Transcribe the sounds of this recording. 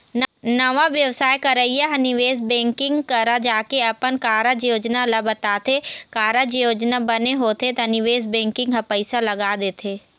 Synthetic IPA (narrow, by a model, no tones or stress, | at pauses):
nnɐʋaʋjɐʋsaːjkɐɾəijaɦɐnɪʋeːsbɛ̃ːŋkɪ̃ŋɡkɐɾad͡ʒaːkeɐpənkaːɾad͡ʒjoːd͡ʒnalɐbɐt̪aːt̪ʰekaːɾad͡ʒjoːd͡ʒnabɐneɦoːt̪et̪anɪʋeːsbɛ̃ːŋkɪ̃ŋɡɦɐ̃pəɪsalɐɡaːd̪eːt̪ʰeː